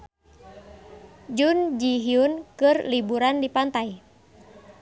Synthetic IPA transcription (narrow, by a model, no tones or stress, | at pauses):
d͡ʒund͡ʒiɦiunkɨrlibuɾandipant̪aj